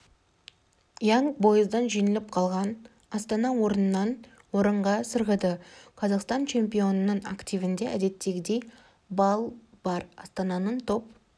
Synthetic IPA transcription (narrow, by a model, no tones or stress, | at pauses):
jɑŋbo̞jəzd̪ɑnʒijnɪlɪp̚qʰɑlˠʁɑn | ɑst̪ɑnɑwo̞ɾənənːɑn | wo̞ɾəɴʁɑsəɾʁəd̪əqʰɑzɑqst̪ɑnt͡ʃʰe̞mpijo̞nənəɴakt̪ivɪnd̪e̞ʔæd̪e̞t̪ːe̞ɡʲɪd̪e̞j | bɑlˠ | b̥ɑɾɑ̰st̪ɑnɑnəɴt̪ʰo̞p̚